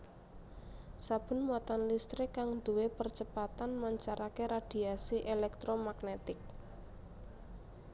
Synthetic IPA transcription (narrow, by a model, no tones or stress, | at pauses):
sab̥ə̤nwat̪anlist̪ɾɪkːaŋd̪uwepərt͡ʃəpat̪anmaɲt͡ʃaɾakeɾad̪̥i̤asiʔelɛk̚t̪ɾomaɡnet̪ɪk̚